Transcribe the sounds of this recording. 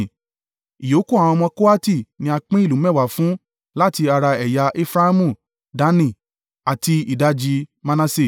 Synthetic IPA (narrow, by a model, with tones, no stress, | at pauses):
i˨jo˨˦ku˦a˨w̃ɔ̃˧mɔ̃˧ko˦a˦ti˦˨nĩ˧a˧k͡pĩ˦i˦˨lu˨˦mɛ˦˨wa˨fũ˨˦ | la˦ti˧a˧ɾa˧ɛ˨ja˧ʔe˦fɾa˦a˦mũ˦˨ | da˨˦nĩ˦˨ | a˨ti˧i˨da˦d͡ʒi˧mã˧nã˧se˦˨